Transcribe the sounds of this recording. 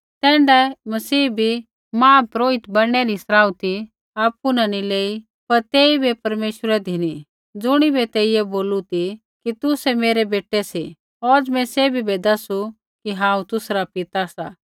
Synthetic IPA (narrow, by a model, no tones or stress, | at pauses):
t̪ɛ̃ːɳɖɛmɐsiːbʱi | mãːpɾoːɪt̪bɐɽɽ̃ɛɾisɾaːut̪i | aːpunɐnileːi | pɐɾt̪eːibʱepɐɾmeːʃɾɛd̪ʱini | d͡zʊɽ̃ibʱɛt̪eːɪjɛboːlut̪i | kit̪usɛmeːɾɛbeːʈɛsi | ɔd͡zmɛ̃sebʱibɛd̪ɐsu | kiɦãːũt̪ʊsɾapɪt̪asa